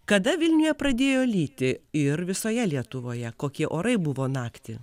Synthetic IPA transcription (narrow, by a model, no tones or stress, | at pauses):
kɐd̪ɐʋʲɪlʲnʲʊjɛpɾɐd̪ʲeːjoːlʲiːt̪ʲɪɪɾʋʲɪsoːjɛlʲiɛt̪ʊʋoːjɛkoːkʲiɛʔoːɾɐɪbʊʋoːnɑːkt̪ʲɪ